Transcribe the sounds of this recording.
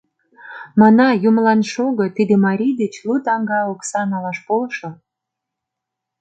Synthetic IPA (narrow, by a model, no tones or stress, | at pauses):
mɑnɑjumlɑnʃoɣot̪id̪emɑɾʲijd̪et͡ɕlut̪ɑŋɡɑoksɑnɑlɑʃpolʃo